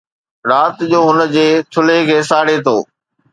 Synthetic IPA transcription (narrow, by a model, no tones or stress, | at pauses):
ɾaːt̪d͡ʑoːɦʊnə̆d͡ʑeːt̪ʰʊlekʰeːsaːɽet̪ʰo̰ː